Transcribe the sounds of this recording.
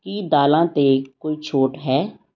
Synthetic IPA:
kiːd̪aːlãːt̪eːkoːiːt͡ʃʰoːʈɦɛː

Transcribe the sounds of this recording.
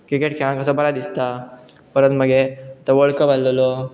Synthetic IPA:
kikeʈkʰeankəsəbəɾad̪ist̪a | pəɾənt̪məɡet̪əʋəɭkəpalːəlo

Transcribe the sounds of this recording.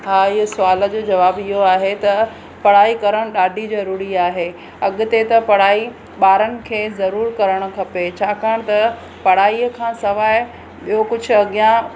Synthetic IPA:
ɦaːiːsʊaːlə̆d͡ʑoːd͡ʑɐʋaːbɪɦoaːɦet̪ɐ | pɐɽ̤aːikɐɾəɽ̃ɗaːɖʱizɐɾuːɾiaːɦe | ɐɠʊ̆t̪et̪ɐpɐɽ̤aːi | ɓaːɾənɪ̆kʰeːzɐɾuːɾkɐɾəɽ̃ʊ̆kʰɐpet͡ɕʰaːkaːɽ̃t̪ɐ | pɐɽ̤aːiəkʰãːsɐʋaːɪ | ɓijokʊd͡ʑʱʊ̆ɐɠijã

